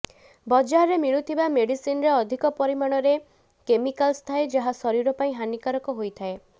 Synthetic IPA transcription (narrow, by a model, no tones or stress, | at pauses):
bɔd͡ʒaɾemiɭ̃ut̪ʰibameɽisinɔɾeɔd̪ʱikɔpɔɾimaɽ̃ɔɾe | kemikalst̪ʰaed͡ʒaɦasɔɾiɾɔpaĩɦanikaɾɔkɔɦojt̪ʰae